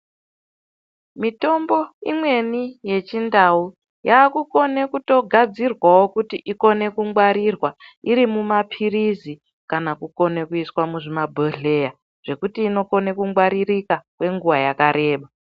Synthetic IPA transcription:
mito̞mbo̞imwe̞nije̞t͡ʃindau | jaːkuko̞ne̞kuto̞ɡʱad͡zirwawo̞kutiʔiko̞ne̞kuŋɡwaɾirwaiɾimumapʰirizi | kanakuko̞ne̞kuiswamuʐimabʱoɮe̞ja | ʐ̥e̞kutiːno̞ko̞ne̞kuŋɡwaɾirikakwe̞ŋɡuwajakaɾe̞ːɓa

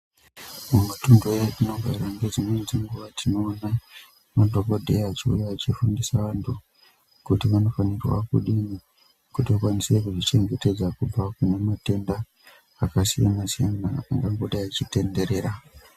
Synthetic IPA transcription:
umɡatondetinoɡʱa̰iɾaŋɡed͡zimwenziŋɡuʋatʰino̞ːna | matokodʱeat͡ʃiṵjaːt͡ʃifundisaʋantʰu | kutiʋano̞fanirwa̰kuɗini | kutiokwanise̞kuʐit͡ʃe̞ŋɡe̞te̞d͡zakub͡vakunemate̞ndaː | kasijanasijanaaŋɡaŋɡo̞ɗajat͡ʃite̞nde̞ɾe̞ːɾa

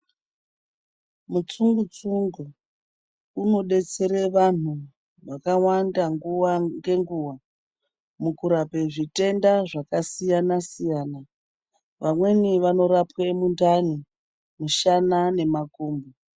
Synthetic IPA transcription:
mut͡suŋɡut͡suŋɡu | uno̞ɗe̞t͡se̞ɾe̞ʋan̤u | ʋakawandaŋɡuwaŋɡe̞ŋɡuːwa | mukuɾape̞ʐite̞ndaʐakasijanasijaːna | ʋamwe̞niʋano̞ɾapwemundani | muʃanane̞makuːmbo

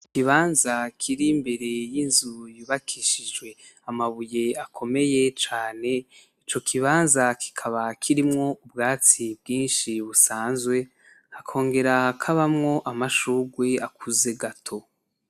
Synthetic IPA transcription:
kiβaːnzakʰiɾimbe̞ɾe̞jinzujuβakʰiʃid͡ʒɡwe̞ | amaβuje̞akʰo̞me̞je̞t͡ʃaːne̞ | it͡ʃo̞kʰiβaːnzakʰi̥kʰaβakʰiɾimŋo̞ubɡaːt͡sibɡiːnʃiβusaːnzwe̞ | hakʰo̞ːŋɡe̞ɾahakʰaβamŋo̞ʔamaʃuːɡwe̞akʰuze̞ɡatʰo̞

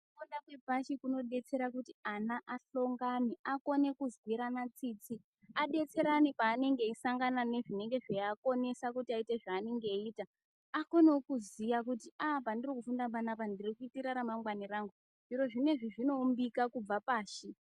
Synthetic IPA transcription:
koɗakwe̞bʱaʃikuno̞ɗe̞t͡se̞ɾakutianaʔaɬo̞ŋɡaniako̞ne̞kuzwwiɾanat͡siːt͡si | aɗe̞t͡se̞ɾanipaːne̞ŋɡe̞isaŋɡanane̞ʐine̞ŋɡe̞ʐeako̞ne̞sakutiaiteʐaːneŋɡe̞iːta | ako̞neokuzijakutiapandirikufundaɓanapandirikuitiɾaɾamaŋɡwaniraŋɡu | ʐiɾo̞ʐine̞ʐiʐino̞umbikakub͡vapaːʃi

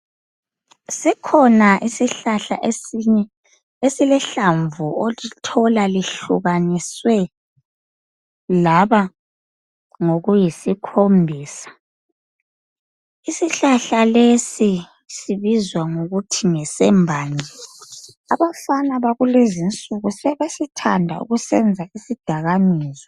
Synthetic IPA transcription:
sikʰɔnaʔisiɬaɬaʔesiɲɛ | esilɛɬaɱvuolitʰɔlaliɬuɣaniswɛ | laβa | ŋoɣujisikʰombʱiːsḁ | isiɬaɬalesi | siβizwaŋoɣutʰiŋɛsɛmbʱaːnɛ | aβafanaβaɣulezint͡sʼuɣusɛβesitʰandʱa̰ṵɣusɛnd͡zʱaisid̥ʱaɣamiːzɔ

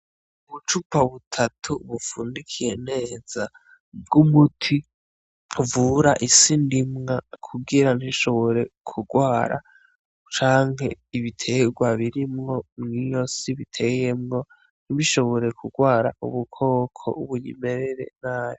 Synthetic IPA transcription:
uβut͡ʃupaβutʰatʰuβufuːndikʰijene̞ːz̥a | bɡumutʰi | vuːɾaʔisindimŋakʰuɡiɾaniʃo̞βo̞ɾe̞kʰuɡwaːɾa̰ | t͡ʃaːŋhe̞iβitʰe̞ɡwaβiɾimŋo̞mŋijosiβitʰe̞jemŋo̞ | n̥iβiʃo̞βo̞ɾe̞kʰuɡwaːɾa̰ṵβukʰo̞ːkʰo̰ʔuβuɲḭme̞ɾeɾe̞̰naːjo

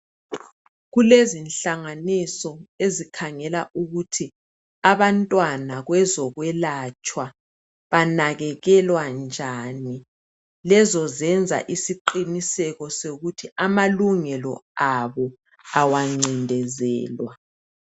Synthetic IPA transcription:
ɣulezinɬaŋanisɔezikʰaŋɛlaʔuɣutʰi | aβantʼwanaɣwɛzɔɣwɛlat͡ʃʼwa | βanaɣɛɣɛlwand͡ʒʱani | lɛzɔzɛnd͡zʱa̰ʔisiǃinisɛɣɔsoɣutʰiamaluŋɛlɔ̰aβɔ | awaŋ͡ǀindʱɛzɛ̰ːlwa

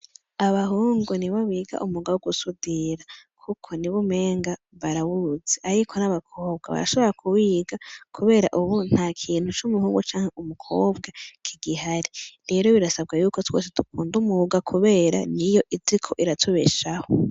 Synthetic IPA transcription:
aβaɦuːŋɡuniβawiːɡa̰ʔumuɡawuɡusudiɾakʰukʰo̞niβume̞ːŋɡa | βaɾawuzeʔaɾikʰo̞naβakʰo̞ːb̚ɡaβa̰ɾa̰ʃoβo̞ɾakʰuwiːɡakʰuβe̞ːɾa̰ʔuβun̥haːkʰiːn̥hut͡ʃumuhuːŋɡut͡ʃaːŋ̥heʔumukʰo̞ːbɡakʰiɡiɦaɾiɾe̞ːɾo̞βiɾasab̚ɡajuːkotwo̰ːs̬etukuːndumuɡakʰuβe̞ːɾa̰nijo̞ʔizikʰo̞ʔiɾatʰuβeʃaho

